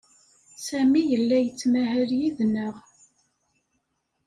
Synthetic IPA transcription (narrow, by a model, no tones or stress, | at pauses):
sæmijəlːæjət͡sːmæhəɾjiðnəʁ